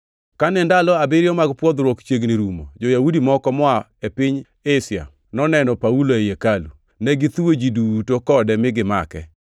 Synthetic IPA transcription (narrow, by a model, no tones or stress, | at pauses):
kanɛndalɔabɪɾjɔmaɡpwɔd̪ɾwɔkt͡ʃeɡniɾumo̰d͡ʒɔjaudimɔkɔmɔa | epɪɲ | esja̰ | nɔnɛnɔpauloejekalṵ | nɛɡɪt̪wod͡ʒidutokɔdɛmɪɡɪma̰kɛ̰